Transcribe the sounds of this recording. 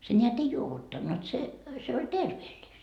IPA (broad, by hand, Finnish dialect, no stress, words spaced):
se nʲeæt ei juoʋutːɑnːut se se olʲ terʋeːlʲːist